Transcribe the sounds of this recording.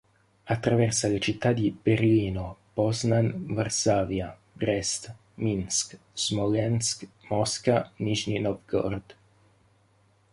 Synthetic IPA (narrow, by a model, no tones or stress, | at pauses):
at̪ːɾavɛrsalet͡ʃit̪ːad̪ib̥erliːnobɔznanvarsaːvja | bɾɛst̪ | minsk | z̥mɔlɛnskmɔskamiʃninɔvɡɔ̰rd̪̥